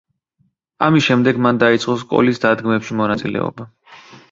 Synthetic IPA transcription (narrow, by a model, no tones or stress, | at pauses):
amisʃɛmd̪ɛɡmand̪ait̪sʼqʼɔs̬kʼɔ̰lisd̪ad̪ɡmɛpʃimɔnat̪sʼḭlɛ̰ɔ̰ba